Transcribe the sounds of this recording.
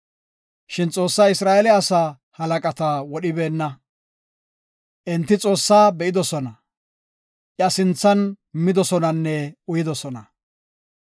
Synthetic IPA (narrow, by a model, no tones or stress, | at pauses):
ʃɪnt͡sʼo̞ːsːaːɪsɾaːʔɛlɛɐsaː | hɐlɐkʼɐt̪ɐwɔɗɪbe̞ːnːɐ | ʔɛnt̪ːɪt͡sʼo̞ːsːaːbɛʔɪd̪ɔsɔnɐ | ʔɪɐsɪnt͡sːɐn | mɪd̪ɔsɔnɐnːɛʊjɪd̪ɔsɔnɐ